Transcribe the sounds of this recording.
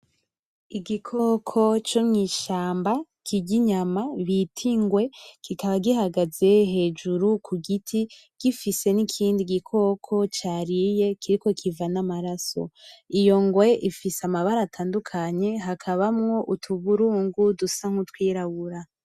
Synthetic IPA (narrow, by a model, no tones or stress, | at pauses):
iɡikʰokʰo̞t͡ʃomŋiːʃaːmba | kʰiɟiɲamaβitʰiŋɡwe̞kikaβaɡihaɡaze̞ɦe̞ːd͡ʒuɾukʰuɡitʰi | ɡ̥ifise̞nikʰiːndiɡikʰo̞kʰo̞t͡ʃaːɾije̞kiɾiko̞kʰivanamaɾaso̞̰ijo̞ŋɡwe̞ʔifiseamaβaɾatʰaːndukʰaɲe̞ɦakʰaβamŋo̞ʔutʰuβuɾuːŋɡudusaŋhutwiːɾaɡuɾa